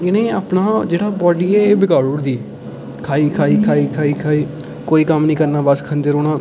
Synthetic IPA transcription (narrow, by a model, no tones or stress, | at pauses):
ɪnẽːaːpnaːd͡ʒeːɽaːbɔːɖiːɛːeːbɪɡaːɽʊɽd̪iː | kʰaːiːkʰaːiːkʰaːiːkʰaːiːkʰaːiː | koːiːkəmnĩːkəɾnaːbəskʰə̃nd̪eɾoːɽaː